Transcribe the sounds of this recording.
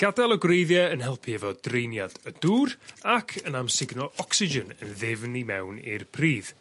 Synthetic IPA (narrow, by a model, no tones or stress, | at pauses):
ɡ̥adalˠɔɡwrejðjɛənhɛlˠpʰiɛvɔdrejnjadəduːrakʰənamsɪɡnɔʔɔksɪd͡ʒənənðɪvnimɛ̰wnḭrpʰriːð̥